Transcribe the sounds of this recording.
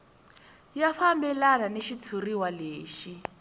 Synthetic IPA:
jafambɛlalaneʃit͡sʰuriwaleːʃi

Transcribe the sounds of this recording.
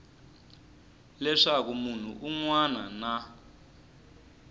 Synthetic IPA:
lɛʂak̬umun̤ṵʔuŋwanana

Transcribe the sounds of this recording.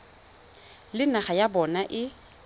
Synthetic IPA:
lɪnaχajabɔnaʔɪ

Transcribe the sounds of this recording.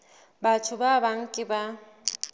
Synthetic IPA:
batʰʊbabaŋ̩kʼɪba

